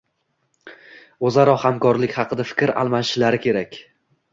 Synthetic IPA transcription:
ozaɾɒhamkɒɾlɪkʲχɑqʰɨd̪afɪ̥kʲɾa̰lˠmaʃɪlaɾɪkʲʰe̞ɾakʲ

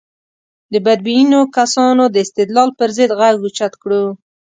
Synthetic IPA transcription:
d̪əbad̪̚bijinokasɑnod̪əɪst̪ɪd̪lɑlpəɾzəd̪ɣaɡɡut͡ʃat̪kɽu

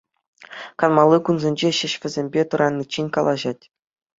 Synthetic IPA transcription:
kɑnmɑlˠːɯkunzʲĕnʲd͡ʑeɕɘ̆ɕʋʲɘ̆zʲemʲbʲet̪ɤ̆ɾʔɑnʲːit͡ɕːinʲkɑlˠɑʑɑtʲ

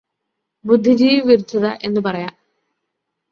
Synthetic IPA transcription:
bud̪ʱːid͡ʑiːʋɨʋiɾit͡ɕːɐðɐʔe̞nːɨpɐrɐjaː

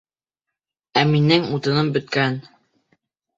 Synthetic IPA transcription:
æminɘŋut̪ɤ̆nɤmbɵ̆t̪̚kæn

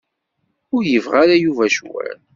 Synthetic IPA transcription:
ʊɾjəvʁaɾajuvæʃwæ̰n

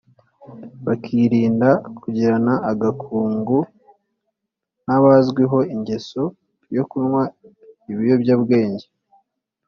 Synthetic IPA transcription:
βakʰiɾiːndakʰuɟiɾanaːɡakʰuːŋɡu | naβazɡwiɦo̞iɲɟe̞so̞ | jo̞kunŋwa | iβijo̞bɟabɡe̞ːɲɟe

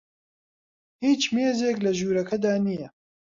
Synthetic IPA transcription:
hiːt͡ʃmeːzeːklɐʒuːɾɐkʰɐd̪aːnijɛ

